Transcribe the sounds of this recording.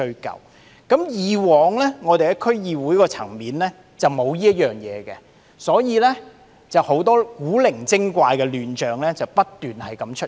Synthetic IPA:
ɵ˧ɥkɐ̰˨w | kɐ˨˥mjiː˨˩wɔː˨ŋlɛ˥ŋɔː˨˧t̪e˨jkɛ˧kʰɵ˥ɥjiː˨˧wuː˨˥jkɔː˧t͡sʰɐ˨˩ŋmiː˨˧nlɛː˥ | t͡sɐ˨wmo˨˧wjiː˥ɐ˥t̚jœː˨˩ŋjɛː˨˧kɛ˧ | sɔː˨˥jiː˨˧lɛː˥ | t͡sɐ˨˩who˨˥wt̪ɔː˥kuː˨˥lɪ˨˩ŋt͡sɪ˥ŋkʷaː˧jkɛː˧lyː˨˧nt͡ʃœː˨ŋlɛː˥t͡sɐ˨wpɐ˥t̚t̪yː˨nhɐ˨jkɐ˨˥mt͡ʃʰɵ˥

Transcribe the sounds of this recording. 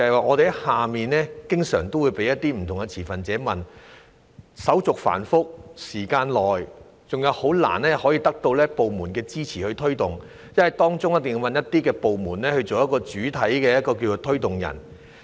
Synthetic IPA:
t͡sɐ˨˧hɐ˨jwaː˨˧ŋɔː˨˧t̪e˨˧˥haː˨miː˨nlɛː˥kɪ˥ŋsœː˨˩ŋt̪o˥wuː˨˧jpe˨˥jɐ˥t̪ːiː˥m̩˨˩t̪ʰʊ˨˩ŋɡɛ˧t͡sʰiː˨˩fɐ˨nt͡sɛː˨˥mɐ˨n | sɐ˨˥wt͡sʊ˨k̚fa̰ː˨˩nfʊ˥k̚siː˨˩kaː˧nlɔː˨j | t͡sʊ˨ŋjɐ˨˧who˨˥wla̰ː˨˩nlɛː˥hɔː˨˥jiː˨˧t̪ɐ˥k̚t̪o˧wlɛː˥po˨wmuː˨˩nkɛː˧t͡siː˥t͡sʰiː˨˩hɵ˧ɥt̪ʰɵ˥ɥt̪ʊ˨ŋ | jɐ˥nwɐ˨˩jt̪ɔː˥ŋt͡sʊ˥ŋjɐ˥t̪ɪ˨ŋju˧wmɐ˨njɐ˥t̪iː˥kɛː˧po˨wmuː˨˩nlɛː˥hɵ˧ɥt͡so˨wjɐ˥t̚kːɔː˧t͡ʃyː˨˥t̪ʰɐ˨˥jkɛː˧jɐ˥t̚kɔː˧k̬iː˧t͡ʃo˨˧t̪ʰɵ˥ɥt̪ʊ˨˩ŋjɐ̰˨˩n

